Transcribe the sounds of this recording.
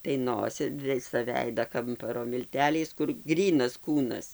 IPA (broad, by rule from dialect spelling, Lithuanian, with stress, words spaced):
tɐɪ ˈnoːsʲɪ ˈʋʲɪsɐ ˈʋʲɛɪdɐ ˈkɐmpɐroː mʲɪlʲˈtʲæːlʲɛɪs kʊr ˈɡrʲiːnɐs ˈkuːnɐs